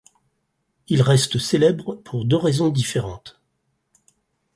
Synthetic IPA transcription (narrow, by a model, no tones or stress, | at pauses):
ilʁɛst̪əselɛbʁpʰuʁd̪øʁezɔ̃d̪ifeʁɑ̃t̪